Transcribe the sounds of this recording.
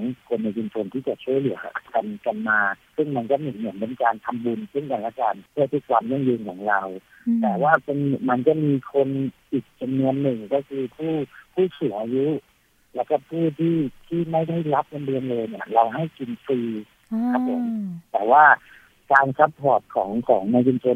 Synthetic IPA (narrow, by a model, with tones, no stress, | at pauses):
ŋkʰo˧nːa˧jki˧npo˧nt̪ʰiː˥˩t͡ɕa˨˩t͡ɕʰu˥˩əjlɯ˩˦ɐʔa̰˧˩kʰa˧nka˧nmaː˧sɯ˥˩ŋma˧nt͡ɕa˧˩mi˧˩nnɯ˧˩npe˧nkaː˧nt̪ʰa˧mbu˧nse˥˩ŋkaː˧nlaː˧˥kaː˧npʰɯ˥˩˨t̪ʰi˦˥k̚kʰwaː˧mja˥˩˨ŋjɯː˧nkʰɔ̰ː˩˦ŋɾa˧w | t̪ɛː˨˩waː˥˩pe˧nma˧nt͡ɕa˨˩˦miː˧kʰo˧nʔiː˨˩k̚t͡ɕa˧mnu˧ənːɯ˨˩ŋkɔː˧˥˩kʰɯː˧pʰuː˥˩pʰuː˥˩suː˨˩˦ŋʔaː˧ju˦˥ | lɛː˦˥wkɔː˥˩pʰuː˥˩t̪ʰiː˥˩t̪ʰiː˥˩ma˥˩jda˥˩jla˦˥p̚na˧nbɯ˧ənlɤː˧jni˦˥˩ɐɾa˧wɦa˥˩jki˧nfiː˧ | kʰa˦˥pʰːo̰˩˦mt̪ɛː˨˩waː˥˩ | kaː˧nsa˦˥ppʰɔː˨˩t̪̚kʰɔ̰ː˩˦ŋkʰɔ̰ː˩˦ŋnaː˧jwi˧nt͡ɕo˧n